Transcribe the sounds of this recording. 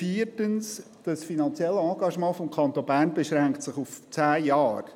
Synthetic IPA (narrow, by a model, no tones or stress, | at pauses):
fiːrtəns | d̥ɑsfinɑnt͡sjɛlːəɑːɡɑʃmɑ̃ːfɔmkʰɑnt̪onbæːrnbeʃɾɛŋktsɪχuft͡sæːjɑːɾ